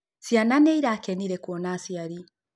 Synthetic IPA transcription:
siananɛiɾaːkɛniɾɛkuɔnasiaɾi

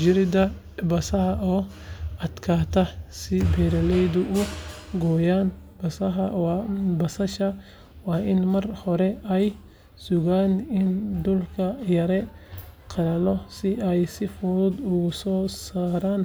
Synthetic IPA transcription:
d͡ʒɪɾɪd̪ɐ | bɐsɐɦɐʔɔː | ɐd̪kʰaːt̪ʰɐsɪbɛɾɐlɛjd̪ʊʔʊɡɔːjaːnbɐsɐɦɐbɐsɐʃɐ | wɑːɪnmɐrhɔɾɛɛj | sʊɣaːnɪnd̪ʊlkʰɐjɐɾɛqʰɑɾɐlɔsɪɛjsɪfʊɾʊd̪ʊɣʊsɔːsaːɾaːn

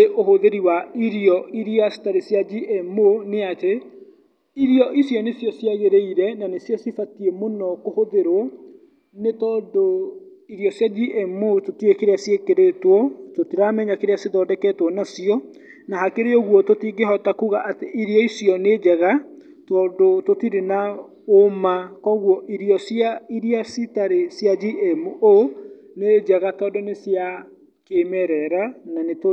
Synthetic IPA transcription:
eʔoɦoðeɾiwaiɾiɔiɾiasi̥taɾesjad͡ʑiʔemoneate | iɾjɔʔisjɔnesjɔsjaɣeɾeiɾɛnanesjɔsifatiemonɔkohoðeɾwɔ | netɔdo | iɾiɔsjad͡ʑiʔemototiekeɾeasjekeɾetwɔtotiɾamɛɲakeɾeaseðɔdɛkɛtwɔnasiɔ | naɦakeɾeɔɣwɔtotiɡeɦɔtakuɣaʔateʔiɾiɔisjɔned͡ʒɛɣa | twɔdototiɾena | omakɔɣwɔʔiɾjɔsjaiɾiasitaɾesjad͡ʒiʔɛmuʔo | ned͡ʒɛɣatɔdonesja | kemɛɾɛɾananeto

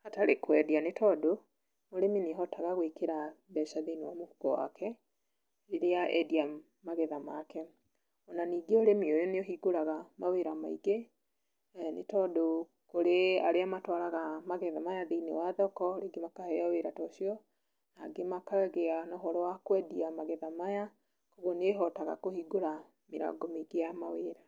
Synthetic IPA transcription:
hataɾekwɛdianetʰɔdo | moɾemineɦɔtaɣaɣwekeɾabɛʃaðeinewamohuɡɔ̰wa̰kʰɛ | eɾeaʔɛdia | maɣɛðamakɛ | ɔnaniːɡeoɾemiojɔneɔɦiɡoɾaɣamaweɾama̰iɡe | nḛtɔdo | koɾeaɾeamatwaɾaɣamaɣɛðamajaðeinḛwaðɔkɔɾeɡemakahɛaweɾatɔʃiɔ | naɡemakaɛɣeanɔɦɔɾɔwakwɛdiamaɣɛðamaja | koɣoneɦɔtaɣa̰kohiɡoɾa | meɾa̰ɡɔmeɡejamaweːɾa

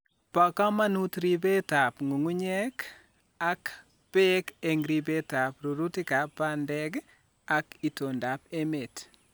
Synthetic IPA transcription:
pakamanutɾibetapŋuŋuɲɛk | ak | pekeŋɾibetapɾuɾutikapːandɛk | akitondapemet

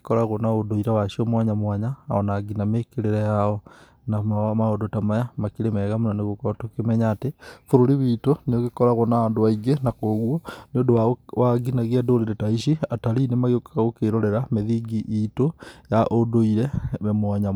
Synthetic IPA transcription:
kekɔɾaɣonaodoiɾawaʃiɔmwaɲamwaɲa̰ːɔ̰naɡinamekeɾeɾɛjaɔ | namaodotamajamakiɾemɛɣamunaneɣokɔtokemɛɲaːtefoɾoɾiβitoneoɣekɔɾaɣonaandoaiɡenakoɣwɔneondoawaɡinaɣiadoɾeɾetaiʃiataɾinemaɣeokaaɣokeɾoɾɛɾameðiɡiʔitojaʔodoiɾɛmwaɲa

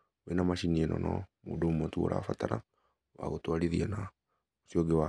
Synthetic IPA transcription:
wenamaʃiniɛnɔnɔ̰mudoumotuo̰ɾa̰fatana̰ | wa̰ɣotwaliðiana | osiɔɡewa

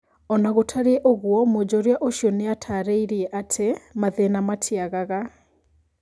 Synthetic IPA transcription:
ɔnaɣotʰaɾeɛʔoɣwɔmod͡ʑɔɾjaʔoʃiɔneatʰaɾeiɾiɛʔatʰemaðenamatʰiaɣaɣa

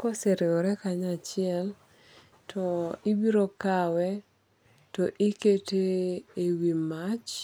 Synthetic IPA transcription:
koseɾeɔɾɛkaɲat͡ʃɪɛl | tʰɔɪbiɾokawɛ | tɔʔiketeːwimat͡ʃ

